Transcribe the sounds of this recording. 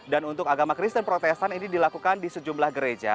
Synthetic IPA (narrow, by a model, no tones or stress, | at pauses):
danunt̪ʊkaɡamakɾist̪ənpɾot̪ɛst̪aninidilakukandisəd͡ʒumblahɡəɾed͡ʒa̰